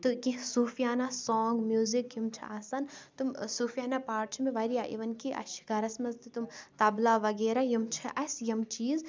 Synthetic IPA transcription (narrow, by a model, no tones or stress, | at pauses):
t̪ukĩsuːfijaːnaːsoːŋɡmjuːzikjumt͡ʃʰḭaːsɐnt̪umsuːfijaːnapaːʈt͡ʃʰmẽʋɐɾijaʔḭʋɐnkiʔɐ̰ʃi̥kɐɾɐsmɐzt̪ɨt̪umt̪ɐblaːʋɐɡeːɾajɐmt͡ʃʰiʔɐsjɐmt͡ʃiːz